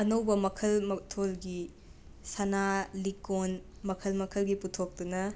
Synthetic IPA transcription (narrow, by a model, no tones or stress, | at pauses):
ɐnɐwbɐmɐkʰɐlmɐtʰolɡi | sɐnalikon | mɐkʰɐlmɐkʰɐlɡiputʰok̚dunɐ